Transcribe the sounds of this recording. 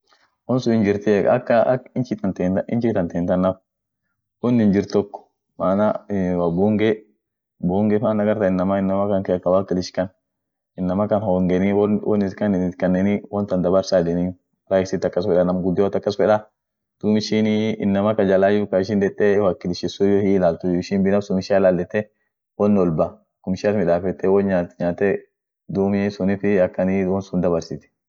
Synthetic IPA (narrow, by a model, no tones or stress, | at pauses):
wɔnsʊɪnd͡ʒɪɾt̪ɛɐkːɐɪnt͡ʃit̪ɐt̪enɪnt͡ʃit̪ɐnt̪eːnt̪ɐnːɐf | wɔnːɪnd͡ʒɪɾt̪ɔkːɔ̥ | maːnawabuːŋɡɛ | buːŋɡɛmanːɐɡɐɾt̪ɐɪnːɐmaɪnːɐmakɐŋkekɐwaːkːɪlɪʃkɐn | ɪnːɐmakɐnhɔːŋɡɛnɪwwɔ̰nɪt̪kɐnɪnɪt̪kɐnːɛnɪwɔnt̪ɐnd̪ɐbɐɾsaːd̪ɛnɪ | ɾaɪsɪt̪ːɐkːɐsfɛᶑɐnɐmɡʊd̪ːɪwɔt̪ːɐkːɐsfɛᶑɐ | d̪̥umɪʃɪnɪ̰nːɐmɐkɐd͡ʒɐlajʊkɐɪʃ̬ɪnd̪ɛt̪ʼːɛwaːkːɪlɪʃɪsʊjɔhiɪlaːlt̪ʊɪʃɪnbɪnɐfsʊmɪʃialaːlːɛt̪ːɛ | wɔnːɔlbɐ | kʊmɪʃiɐt̪mɪᶑaːfɛt̪ːɛwɔnɲaːt̪ɲaːt̪ːɛ | d̪uːmɪsʊnɪfɪɐkːɐniwɔnsʊnd̪ɐbɐɾsɪt̪ɪ̥